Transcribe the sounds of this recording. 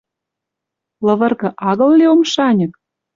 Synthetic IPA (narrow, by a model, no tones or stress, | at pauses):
lɤ̆βɤ̆rɣɤ̆ʔɑɣɤ̆lːeomʃɑnʲɤ̆k̚